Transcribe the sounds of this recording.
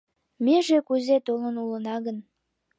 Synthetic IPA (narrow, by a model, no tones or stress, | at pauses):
meʒekuzet̪olənulənɑɣən